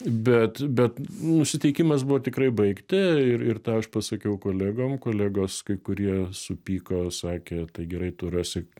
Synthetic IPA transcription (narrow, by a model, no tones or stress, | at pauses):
bʲɛt̪bʲɛt̪nʊsʲɪt̪ʲɛɪkʲimɐs̬bʊʋoːt̪ʲɪkɾɐɪbɐɪkt̪ʲɪɪɾɪrt̪ɑːɐʃpɐsɐkʲɛʊkoːlʲæːɡoːmkoːlʲæːɡoːskɐɪkʊɾʲiɛsʊpʲiːkoːsɑːkʲeːt̪ɐɪɡʲɛɾɐɪt̪oːɾuːsʲɪ